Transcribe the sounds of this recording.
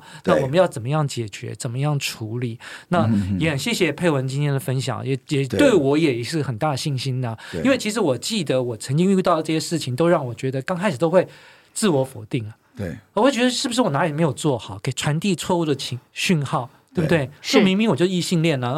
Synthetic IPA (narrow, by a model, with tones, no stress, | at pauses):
na˥˩wɔ˨˩mə˦jɑ˥˩ʊt͡sə˨˩mə˦jɑ˥˩ŋt͡ɕjɛ˨˩t͡ɕɥɛ̰˧˥t͡sə˨˩nmə˦jɑ˥˩ŋʈ͡ʂʰu˧˥li˨˩˦na˥˩jɛ˧˥xə˨˩nɕjɛ˥˩ɕjɛ˧˨˩pʰe˥˩ɪwə˧˥nt͡ɕi˥nt̪ʰjɛ˥nd̪ə˨fə˥nɕ̬jɑ̰˨˩˦ŋ̰˦jɛ˧˥jɛ˨˩t̪we˥˩ɪwɔ˧˥jɛ˨˩˧ʂɻ̩˥˩xə˨˩nt̪a˥˩d̪ə˩ɕi˥˩nɕi˥nə˨˩i˥nwe˥˩ɪt͡ɕʰi˧˥ʂ̬ɻ̩˧˥wɔ˨˩t͡ɕi˥˩d̪ə˩˦wɔ˨˩t͡sʰə˧˥ŋt͡ɕi˥ŋy˥˧t̪ɑ˥˩ʊə˩ʈ͡ʂɤ˥˩ɕjɛ˥ʂɻ̩˥˩t͡ɕʰi˨˩ŋt̪o˥ʊɻɑ˥˩ŋwɔ˨˩t͡ɕɥɛ˧˥d̪ə˧kɑ˥ŋʰa˧˥ɪʂ̩˨˩t̪o˥ʊxwe˥˧ɪ | t͡sɹ̩˥˩wɔ˧˥fɔ̰˨˩t̪i˥˩ŋɐ˩˥˩ə˧wɔ˥˩t͡ɕɥɛ˧˥d̪ə˧ʂɻ̩˥˩bʂɻ̩˥˩wɔ˨˩na˧˥jme˧˥ɪjo˨˩ʊt͡swɔ˥˩xɑ˨˩˦ke˨˩ɪʈ͡ʂʰwa˧˥nt̪i˥˧t͡sʰwɔ˥˧u˥˩d̪ə˩t͡ɕʰi˧˥ŋɕy˥˧nxɑ˥˩ʊtt̪we˥˩btwe˥˩ɪt͡ɕo˥˩mi˧˥ŋmi˧˥ŋwɔ˨˩t͡ɕjo˥˧˥i˥˧ɕi˥˧ŋljɛ˥˩nə˩